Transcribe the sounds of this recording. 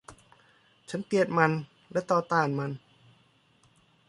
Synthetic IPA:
t͡ɕʰa˦˥npi˧˩ət̪̚ma˧n | lɛ˦˥t̪ɔː˧t̪aː˧˩˨nma˧n

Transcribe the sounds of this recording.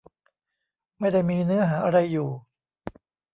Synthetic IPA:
ma˥˩jda˥˩jmiː˧nɯ˦˥ɐɦaː˩˦ʔa˧ɾa˧jːuː˨˩

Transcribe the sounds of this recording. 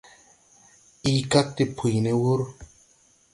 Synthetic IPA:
i˦ka˦k̚t̪e˨pʰu˨jne˦wu˦ɾ

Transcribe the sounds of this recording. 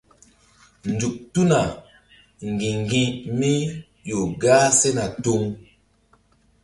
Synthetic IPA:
n˨du˨k̚tu˦na˨ | ŋ˨ɡĩ˨ŋɡĩ˦mi˦ | jo˨ɡa˦sɛ˦na˨to˦ŋ

